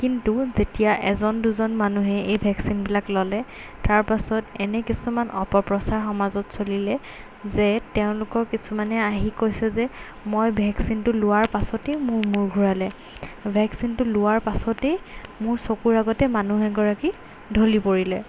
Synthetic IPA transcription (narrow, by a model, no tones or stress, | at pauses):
kintuzetijaʔɛzɔnduzɔnmanuɦɛejbʱɛksinbilaklɔlɛ | taɹpasɔtɛnɛkisumanʔɔ̰pɔpɹɔsaɹxɔmazɔtsolilɛ | zɛtɛʊ̃lʊkɔɹkisumanɛaɦikojsɛzɛ | mojbʱɛksintʊlʊwaɹpasɔtejmʊɹmuɹɡʱuɹalɛ | bʱɛksintʊlʊwaɹpasɔtejmʊɹsokuɹaɡɔtɛmanuɦɛɡɔɹaki | dʱolipoɹilɛ